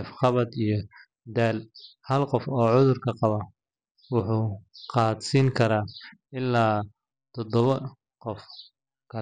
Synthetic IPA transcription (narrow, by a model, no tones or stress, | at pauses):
fχɑβɐd̪ijɞ | d̪aːlhɐlqɔfɔːʕʊðʊrkʰɐqɑβɐ | wʊħuːqɑːd̪siːŋkʰɐɾaːɪlːaː | t̪ʰɔd̪ɔβɐ | qɔf | kʰɐ